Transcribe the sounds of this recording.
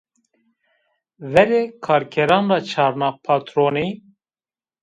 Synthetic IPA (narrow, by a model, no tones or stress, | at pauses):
vɛɾeːkʰɑːɾkʰɛɾɑːnrɑːt͡ʃʰɑːɾnɑːpʰɑːt̪ɾoːniː